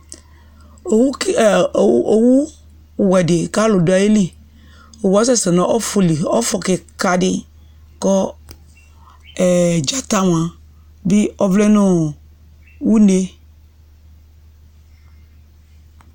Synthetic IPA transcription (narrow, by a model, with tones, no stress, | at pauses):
o˨w | o˨wu˦˨ | wɛ˨dɪ˨ka˦lʊ˨dʊ˨˦a˨ji˦li˨ | o˨wu˦a˦sɛ˦sɛ˨nɔ̃˨˦ʔɔ˦fu˨li˨ɔ˦fɔ˨kɪ˨ka˨dɪ˦ | kɔ˦ | ɛ˨d͡ʒa˨ta˦m˨ã˨ | bi˦ɔ˦vlɛ˦nɔ̃˦ | wu˦ne˦